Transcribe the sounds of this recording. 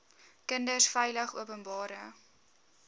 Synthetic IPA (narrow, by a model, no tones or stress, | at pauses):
kəndəsfɛjləχṵəpənbɑːɾə